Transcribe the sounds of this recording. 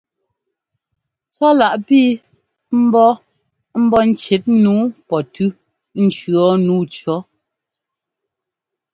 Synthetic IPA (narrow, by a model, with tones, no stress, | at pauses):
t͡sɔ˦la˨ʔpiː˦ | m̩˦bɔ˦ | m̩˦bɔ˦n̩˦t͡ʃe˨˦t̚nuː˨˦pɔ˨tʉ˦ | n̩˨t͡ʃɰɔ˨˦nuː˨˦t͡ʃɔ˨˦